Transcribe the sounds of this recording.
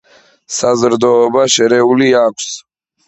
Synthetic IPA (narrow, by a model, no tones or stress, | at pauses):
sazɾd̪ɔːbaʃɛɾɛuliakʷʰs